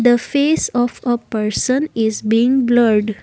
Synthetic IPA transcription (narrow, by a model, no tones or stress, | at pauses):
d̪əfeːsɔfəpəɾsə̃nɪzbiɪ̃ŋɡbləɾɖ